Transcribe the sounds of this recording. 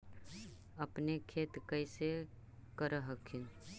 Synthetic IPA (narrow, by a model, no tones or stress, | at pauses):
əpnekʰeːt̪kəɪse | kəɾəɦəkʰɪn